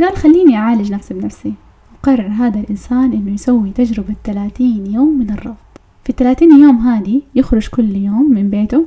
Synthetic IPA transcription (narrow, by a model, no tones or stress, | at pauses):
ɡaːlxalːiːniʔʕaːlɪd͡ʒnafsibɪnafsi | wqɑrˤːɑɾˤɦaːd̪alʔɪnsaːnʔɪnːʊjsawːit̪ad͡ʒɾɪbat̪ːalaːt̪iːnjoːmːɪnɨrˤːɑɣd̪ˤ | fit̪ːalaːt̪iːnljoːmɦaːd̪ijɪxɾʊd͡ʒkʊlːjoːmːɪmbeːt̪ʊ